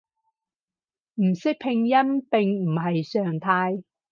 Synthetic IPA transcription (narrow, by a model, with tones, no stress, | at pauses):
m̩˨˩sɪ˥k̚pʰɪ˧ŋjɐ˥npɪ˨ŋm̩˨˩hɐ˨jsœː˨˩ŋt̪ʰaː˧j